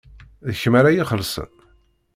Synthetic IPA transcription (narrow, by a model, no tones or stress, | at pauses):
ðəçəmaɾajiχəlsə̰n